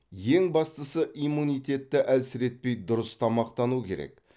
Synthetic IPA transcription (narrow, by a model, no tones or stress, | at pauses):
je̞ŋbɑst̪əsəʔimːunijt̪e̞t̪ːɪʔælsɪɾe̞t̪̚pe̞jd̪ʊɾəst̪ʰɑmɑqt̪ɑnukʲʰe̞ɾḛk